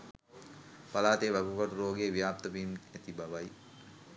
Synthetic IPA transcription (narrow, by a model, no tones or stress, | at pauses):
palaːt̪eːʋaɡukaʈuɾoːɡeːʋijaːp̚t̪əʋimæt̪ibaʋaj